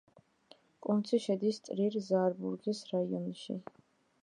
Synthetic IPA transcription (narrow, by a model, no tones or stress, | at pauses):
kʼunt̪sʰiʃɛd̪ist̪sʼɾiɾzaɾbuɾɡisɾaiɔnʃḭ